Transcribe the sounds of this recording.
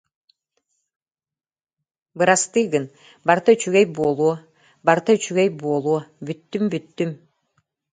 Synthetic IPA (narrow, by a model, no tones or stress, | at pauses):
bɯɾast̪ɯjɡɯn | baɾt̪at͡ʃyɡejbuːlˠuɔ | baɾt̪at͡ʃyɡejbuːlˠuɔbyt̪ːymbyt̪ːym